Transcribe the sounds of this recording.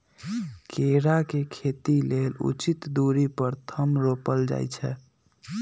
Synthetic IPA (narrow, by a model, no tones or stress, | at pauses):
keɾakekʰet̪ilelṵt͡ʃit̪d̪uɾipəɾt̪ʰəmɾopəld͡ʒa̰jt͡ʃʰɛ